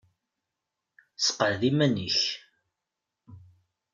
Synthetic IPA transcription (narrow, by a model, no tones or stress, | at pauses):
sə̥qːəʕðimæniç